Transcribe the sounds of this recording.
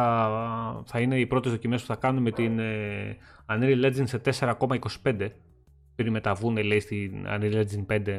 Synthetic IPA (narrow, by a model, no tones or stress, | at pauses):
ɐ | θɐine̞ipɾo̞t̪ezðo̞cime̞spu̥θɐkɐnunme̞t̪ine | ɐniɾiled͡zinse̞t̪e̞se̞ɾɐko̞mɐiko̞si̥pe̞nd̪e̞ | pe̞ɾime̞t̪ɐvunele̞ist̪inɐ̰niɾled͡zinpe̞nd̪e̞